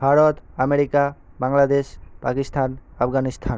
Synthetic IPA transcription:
bʱaɾot̪ameɾikabaŋlad̪eʃpakist̪ʰanapʰɡanist̪ʰan

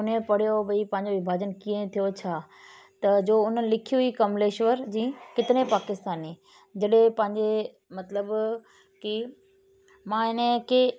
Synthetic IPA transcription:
ʊnẽpɐɽ̤ijobɐipɐ̃ɦɪ̃ɲd͡ʑoʋɪbʱaːd͡ʑənkĩːẽt̪ʰijot͡ɕʰaː | t̪ɐd͡ʑoːʊn̤ənɪ̆lɪkʰijuikɐmleːʃʋəɾd͡ʑĩːkɪt̪ɪɾẽpaːkɪst̪aːniː | d͡ʑɐɗẽpɐ̃ɦɪ̃ɲd͡ʑe | mɐt̪ləb | ki | mãːɪnẽke

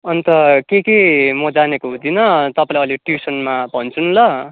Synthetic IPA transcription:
ʌnt̪ʌkekemʌd͡zanekoɦũd̪inʌt̪ʌpãlajʌliʈjusʌnmabʱʌnt͡sʰunlʌ

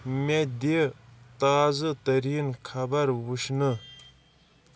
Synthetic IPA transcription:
med̪et̪azat̪əɾjənkʰabaɾwəɕnə

